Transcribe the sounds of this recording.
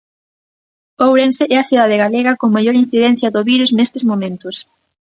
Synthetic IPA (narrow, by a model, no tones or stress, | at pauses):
owɾẽnsɪʔɛɐθjuðaðɪɣaleɣɐkoŋmajoɾin̟θiðɛn̟θjɐðʊβiɾuznest̪ɪzmomẽnt̪ʊs